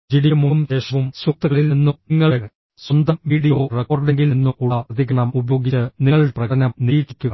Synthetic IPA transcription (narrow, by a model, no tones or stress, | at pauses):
d͡ʑiɽimumd̪eːʂɐʋumsuk̚t̪ɐɣɐɭilninːuŋːɐɭn | swɐnd̪ɐmʋiːɽijo̞ːrekoːrɖeŋɡilninːuʔuɭɐɐd̪ʱikːɐɳɐmubɐjo̞ːɡit͡ɕːɨniŋːɐɭprɐɐnɐmnijikːikʲːuɐ